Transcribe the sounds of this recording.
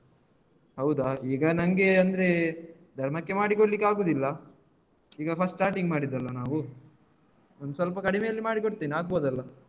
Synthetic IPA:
hɐwd̪ɐiːɡɐnɐŋɡe̞ɐnd̪ɾe̞ | d̪ʱɐɾmɐkːe̞maːɽikoɽlikːaːɡoːd̪ilːɐ | iːɡɐpʰɐsʈʈaːɾʈiŋɡmaːɽid̪ːɐlːɐnaːʋu | ond̪usʋɐlpɐkɐɽimejɐlːimaːɽikoɽt̪eːniaːɡ̚boːd̪ɐlːɐ

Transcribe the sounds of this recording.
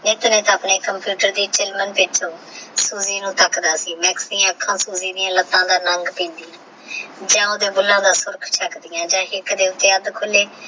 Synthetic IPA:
nɪt̪neːt̪əːpneːkəmpjuːʈəɾd̪iːt͡ʃɪlmənpɪt͡ʃʰõːsuːziːnũːt̪əkd̪aːsiːmɛːksd̪ɪjãːəkʰːãːsuːziːd̪ɪjãːlət̪ːãːd̪aːnəŋɡpĩːnd̪ijãː | d͡ʒãːoːd̪eːbʊlːãːd̪aːsʊɾkʰt͡ʃʰəkd̪ɪjãːd͡ʒãːɦɪkd̪eːʊt̪ːeːəd̪kʰʊleː

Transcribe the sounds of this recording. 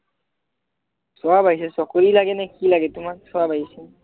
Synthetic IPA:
sɔwabaɦjsɛsɔkoɹilaɡɛnɛkilaɡɛtumaksɔabaɦisin

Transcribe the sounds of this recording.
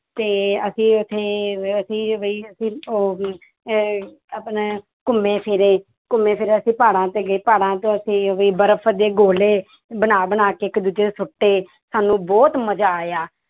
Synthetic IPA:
t̪eːəsĩːʊt̪ʰːeːəsĩːʋiːəsĩːoː | apn | kʊmːeːpʰɪɾeː | kʊmːẽːpʰɪɾeəsĩːpaːɽãːt̪eːɡiːpaːɽãːt̪õːəsĩːʋiːbəɾəpʰd̪eːɡoːleː | bənaːbənaːkeːɪkd̪uːd͡ʒeːesʊʈːeː | saːnũːbɔːt̪məd͡ʒaːjaː

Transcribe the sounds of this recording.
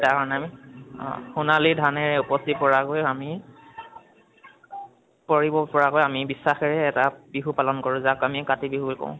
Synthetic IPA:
takɔɹɔnamḭ | xunalidʱanɛɹɛupɔstit̚pɔɹakojami | pɔɹibɔpɔɹakojamibisːaxɛɹɛːtab̥iɦupalɔnkɔɹʊ̃zakamikatibiɦublkõ̰ʊ̃

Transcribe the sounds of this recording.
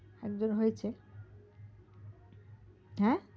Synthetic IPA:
ɛkd͡ʑonɦojet͡ɕʰe | ɦɛ̃

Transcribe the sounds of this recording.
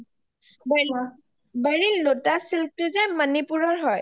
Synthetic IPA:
ba | baɹinlotasiltʊzɛmanipuɹɔɹɦɔj

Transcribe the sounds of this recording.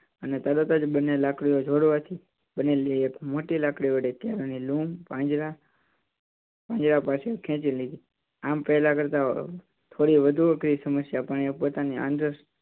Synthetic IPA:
ənet̪əɾət̪əd͡ʒɓənːelakɽiod͡ʒʱoɽʋat̪ʰi | ɓənːeliekmoʈilakɽiʋəɽet̪jaɾonilumpãd͡ʒɾa | pãɲd͡ʒɾapasekʰɛ̃t͡ʃilid̪ʱi | ampɛɦlakəɾt̪a | t̪ʰoɾiʋəd̪ʱuəkɾisəməsjapaɽ̃iopot̪aniã̰nɾəs

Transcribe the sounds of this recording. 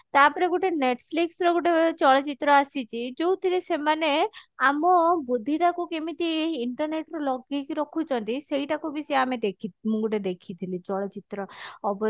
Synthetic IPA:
t̪apɔɾeɡuʈeneʈpʰliksɾɔɡoʈet͡ʃɔɭɔt͡ʃit̪ɾɔasit͡ʃʰid͡ʒowt̪ʰiɾisemaneamɔbud̪ʱːiʈakukemit̪ieiɳʈɔɾneʈɾɔlɔɡikiɾɔkʰut͡ʃʰɔnt̪isejʈakubisiamed̪ekʰimũɡoʈed̪ekʰit̪ʰilit͡ʃɔɭɔt͡ʃit̪ɾɔːbɔ

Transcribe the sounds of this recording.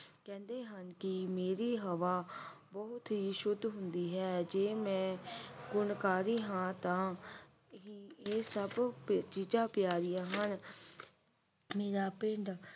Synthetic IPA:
kɛ̃ːnd̪eːɦənkɪmeːɾiːɦəʋaː | bɔɦʊt̪ɦiːʃʊd̪ʱːɦʊnd̪iːɦɛːd͡ʒeːmɛ̃ːɡʊnkaːɾiːɦãːt̪ãː | ɦiːeːsəbt͡ʃiːd͡ʒãːpjaːɾɪjãːɦən | meːɾaːpɪɳɖ

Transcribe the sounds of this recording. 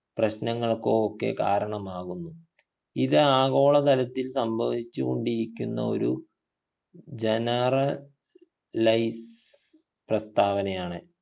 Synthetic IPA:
prɐɕnɐŋːɐɭkːookːe̞̰ka̰ːɾɐɳɐmaːɣunːu | iðɨaːɣo̞ːɭɐt̪ɐlɐt̪ːilsɐmbʱɐʋit͡ɕːuɣo̞ɳɖiɾikʲːunːɐ̰o̞̰ɾu | d͡ʑenɐrɐ | lɐjs | prɐst̪aːʋɐnɐjaːɳɨ

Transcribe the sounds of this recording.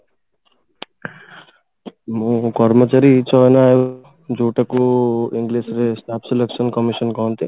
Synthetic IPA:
mũkɔɾmɔt͡ʃaɾit͡ʃʰɔnaːjo | d͡ʒuːʈakuiŋɡlesɾesʈaːpʰseleksɔnkɔmiʃɔnkɔnt̪e

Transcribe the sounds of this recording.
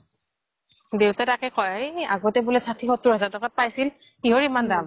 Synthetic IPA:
dewtatakɛkʰɔjaɡɔtɛbulɛsatʰixɔtːuɹɦɛzatɔkat̚pajsil | xiɦoɹimandam

